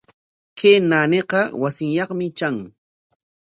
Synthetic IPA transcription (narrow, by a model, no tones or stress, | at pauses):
kʰenaneqɑwasɪŋjɑχmɪt͡ʃaŋ